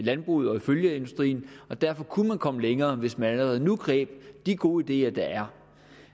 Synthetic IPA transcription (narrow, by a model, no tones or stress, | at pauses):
lænb̥ʁuð̩ˠɒ̽iføljəe̝nd̥usd̥ʁḭːn̩ɒ̽d̥æɐ̰fɒ̽kʰumænkʰɒ̽məleŋɐːʋe̝smænæləʁɛð̞̩ˠnuɡ̥ʁɛ̰ːb̥d̥iɡ̥o̝ːid̥e̝̰ːɐd̥ɑ̈æɐ